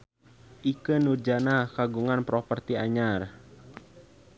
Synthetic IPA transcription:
ʔikənurd͡ʒanakaɡuŋanpɾɔpərt̪iaɲar

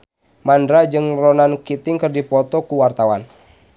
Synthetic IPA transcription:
mandɾad͡ʒɨŋrɔnankit̪ɪŋkɨrdipɔt̪ɔkuwart̪awan

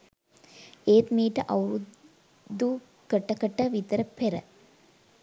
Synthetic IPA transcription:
eːt̪miːʈɐʔɐwɾu | d̪u | kəʈːɐkəʈːɐʋit̪əɾɐpeɾɐ̰

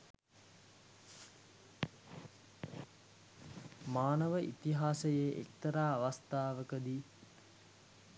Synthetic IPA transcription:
maːnəʋəʔit̪iɦaːsəjeʔḛk̚t̪əɾaːaʋast̪aːʋəkəd̪i

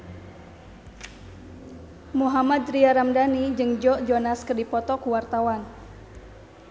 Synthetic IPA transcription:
muɦamad̪riaɾamdanid͡ʒɨŋd͡ʒɔʔd͡ʒɔnaskərdipɔt̪ɔkuwart̪awan

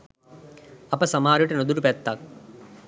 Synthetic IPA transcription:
ɐpɐsɐmaːɾuʈenod̪uʈupɛt̪ːak

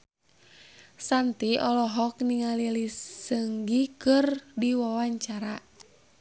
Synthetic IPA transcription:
sant̪iɔlɔɦɔk̚niŋalilisəŋɡikɨrdiwawaɲt͡ʃaɾa

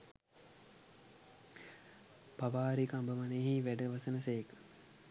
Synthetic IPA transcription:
paʋaːɾikambəmaneːɦiʋæɖəʋɐsənəsejek

